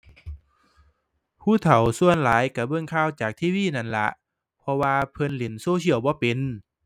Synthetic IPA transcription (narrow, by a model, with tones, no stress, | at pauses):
pʰuː˧˥˩t̪ʰa˨˩wsu˧˨ənlaː˨˦jka˧˩bɤ˧˨ŋkʰaː˧˥˨wt͡ɕaː˨˩k̚t̪ʰiː˧˥˨wiː˧˨na˧˩˨nla̰˧˥ʔ | pʰɔ˧waː˧pʰɤ˧˥˨nli˨˦nsoː˧˦sʰi˧˨əwbɔː˧˦pe˨n